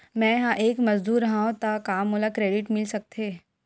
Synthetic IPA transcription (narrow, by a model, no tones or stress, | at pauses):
mɛ̃jɐɦãʔeːkmɐzd̪uːɾːɐɦãɦõt̪akaːmoːlakɾeːɖɪʈmɪlsɐk̚t̪eː